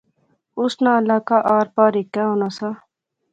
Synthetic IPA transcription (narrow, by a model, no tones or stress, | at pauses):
ʊsnãːlaːkaːʔaːɾpaːɾikːɛːɦoːnaːsa